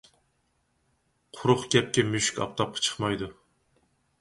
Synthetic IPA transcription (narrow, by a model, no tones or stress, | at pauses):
qʰʊɾʊχkʲɛp̚kʲɛmyʃkʲɑ̰p̚t̪ʰɑp̚qʰɑ̥t͡ʃʰə̥χmɑjd̪u